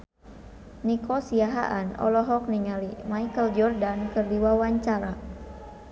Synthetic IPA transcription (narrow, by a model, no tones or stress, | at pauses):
nikɔsiaɦa̰ʔanɔ̰lɔɦɔk̚niŋalimaikəld͡ʒɔrdankərdiwawaɲt͡ʃaɾa